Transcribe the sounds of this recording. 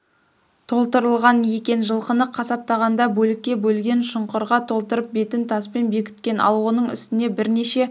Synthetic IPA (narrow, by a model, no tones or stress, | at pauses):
t̪ʰo̞lˠt̪əɾəlˠʁɑnje̞kʲe̞nʒəlˠqənəqʰːɑsɑp̚t̪ɑʁɑnd̪ɑbɵlɪkʲːe̞bɵlɡʲe̞nʃʊɴqəɾʁɑt̪ʰo̞lˠt̪əɾəp̚be̞t̪ɪnt̪ʰɑspe̞nbe̞kʲɪ̥t̪̚kʲe̞nɑ̰lˠwo̞nəɴʏ̰st̪ɪne̞bɪɾne̞ʃe̞